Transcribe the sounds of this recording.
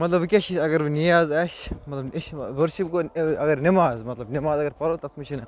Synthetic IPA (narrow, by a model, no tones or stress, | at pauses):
mɐt̪lɐbkʲɐʃiɐɡɐɾbnijaːzɐʃmɐt̪lɐbʋɐɾʃipɡoɐɡɐɾnimaːzmɐt̪lɐbnimaːzɐɡɐɾpɐɾot̪ɐt̪miʃʰinɐ